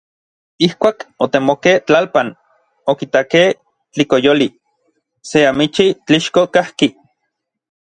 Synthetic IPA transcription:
ihkʷaːkot̪emokeht͡ɬalpan | okit̪akeh | t͡ɬikojoli | seamit͡ʃit͡ɬiʃkokahki

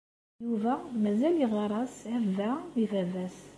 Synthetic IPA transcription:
juvæmæzæliʁɑɾˤɑsævːæifævæs

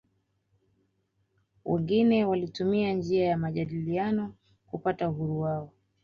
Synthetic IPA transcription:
wʔɛ̰ŋɡinɛwalitumiand͡ʒiajamaʄaɗilianɔ | kupatauɦuɾuwaɔ

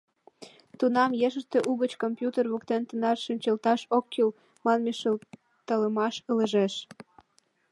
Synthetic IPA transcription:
t̪unɑmjeʃəʃt̪e̽ʔuɣət͡ɕkompjut̪erβukt̪ent̪ənɑrʃinʲt͡ɕəlt̪ɑʃokːyl | mɑnmiʃəl | t̪ələmɑʃələʒeʃ

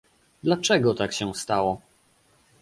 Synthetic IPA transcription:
d̪lat͡ʂɛɡɔt̪akɕɛ̃st̪awɔ

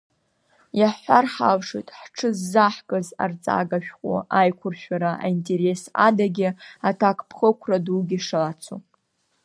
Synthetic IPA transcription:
jaħʷarħalʂetʼħʈ͡ʂʰɨzːaħkʼɨza̰rt͡sʼa̰ɡaʃᶣqʷʼo̰ʔajkʷʰʊrʃᶣaɾaa̰intʼe̞ɾe̞sa̰daɡʲɪatʰakʷʰʼpʰχəkʷʰraduɡʲiʂalat͡sʰu

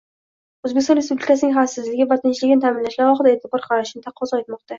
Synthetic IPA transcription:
ɵzbekʲɪsɒnɾe̞spublʲɪkasɪnɪŋʲɦafsɪzlɪɡʲɪvat̪ʰɪnt͡ʃlɪɡʲɪnɪt̪ʰamɪnlaʃlaɾɒχɨd̪aet̪ʰɪbɒɾχʰɑɾʃɪnɪt̪ʰaqʰːɒzɒet̪mɒqt̪a

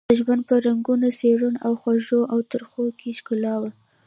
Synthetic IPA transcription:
əʒwand̪̚pəɾaŋɡunoseɽunawxwaʒoʔawt̪əɾxokʰeʃkʊlɑwa

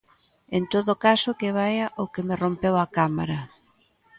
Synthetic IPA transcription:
ent̪oðʊkasʊkeβajaʔokemɪrompewakama̰ɾɐ

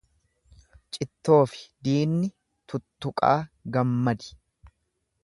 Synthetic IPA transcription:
t͡ʃʼɪt̪ːo̞ːfɪ̥d̪iːnːɪ | t̪ʊt̪ːʊkʼa̰ːɡɐmːɐd̪ɪ̥

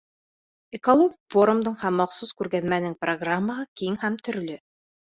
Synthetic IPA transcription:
ekolˠoɡfoɾumd̪ɤɴhæmːɑqsuzkʉɾɡæðmænɘŋproɡramːəʁɤkiŋhæmt̪ɵ̆ɾlɵ

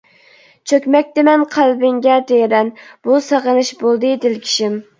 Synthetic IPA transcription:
t͡ʃʰøkʲmɛk̚ʲt̪ɛmɛnqʰælbɪŋɡʲɛt̪ʰejɾɛnb̥usɑʁənɨʃbolˠd̪ɨd̪ɪlkʲʰi̥ʃɪm

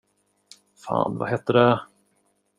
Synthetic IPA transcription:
fa̰ːnva̰ɦɛt̪ːəɖɛ

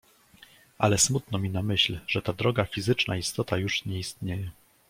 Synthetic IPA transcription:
ʔalɛsmut̪nɔmʲinamɘɕlʐ̥ɛt̪ad̪ɾɔɡafʲizɘt͡ʂnaist̪ɔt̪ajuʂɲɛist̪ɲejɛ

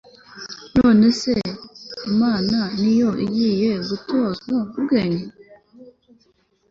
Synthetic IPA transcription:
noːne̞seimaːnanijoʔḭɟiːjeɡutonoubɡeːɲe

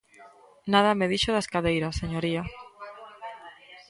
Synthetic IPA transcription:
naðɐmeðiʃoðaskaðejɾaseɲoɾia

